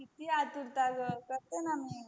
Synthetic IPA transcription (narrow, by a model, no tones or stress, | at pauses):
kit̪iat̪uɾt̪aɡəkəɾt̪enami